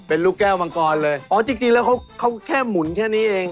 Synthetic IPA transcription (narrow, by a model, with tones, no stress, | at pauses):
pe˧nluː˥˩kɛː˥˩wa˧ŋkɔː˧nlɤː˧jʔɔː˨˦˥t͡ɕi˧ŋt͡ɕi˧ŋlɛː˦˥wkʰa˦˥wkʰa˦˥wkʰɛː˥˩mu˨˩˦nkʰɛː˥˩niː˦˥ʔeː˧ŋ